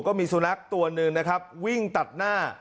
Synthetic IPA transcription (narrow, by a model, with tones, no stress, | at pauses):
kɔː˥˩miː˧su˧na˦˥k̚t̪u˧ɐnɯ˧ŋna˦˥kʰa˦˥p̚wi˥˩ŋt̪a˨˩t̪̚naː˥˩